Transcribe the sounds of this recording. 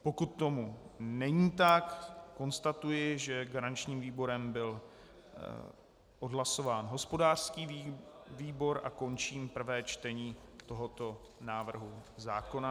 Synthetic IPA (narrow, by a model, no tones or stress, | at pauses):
po̞kut̪ːo̞munɛɲiːt̪akːo̞nst̪at̪ujɪʒɛɡaɾant͡ʃɲiːmviːbo̞ɾɛmbɪl | ʔo̞dɦlaso̞vaːnɦo̞spo̞daːr̥skiːviːbo̞ɾʔa̰ko̞nt͡ʃiːmpr̩vɛːt͡ʃt̪ɛɲiːt̪o̞ɦo̞t̪o̞ | naːvr̩ɦuzaːko̞na